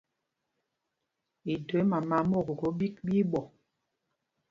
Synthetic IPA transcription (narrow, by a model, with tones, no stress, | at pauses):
i˨do˨˦ma˨ma˨˦mo˦˨ɡo˨ɡo˨˦bi˦k̚ɓi˦ɓɔ˨